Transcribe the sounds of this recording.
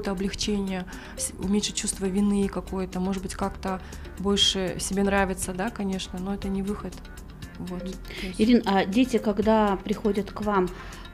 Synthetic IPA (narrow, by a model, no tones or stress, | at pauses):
ojət̪əɐblʲɪxt͡ɕenʲɪjə | ʊ̰mʲetʲʂɨt͡ɕːust̪vəvʲɪnɨkɐko̞jət̪əmo̞ʐɨd̪̚bɨtʲkakt̪ə | bo̞lʲʂɨsʲɪbʲe̞nɾavʲɪt̪səd̪akɐnʲe̞ʂnəno̞ɛt̪ənʲɪvɨxət̪ | vo̞t̪ | ɪɾʲinadʲetʲɪkɐɡd̪apɾʲɪxo̞dʲət̪kvam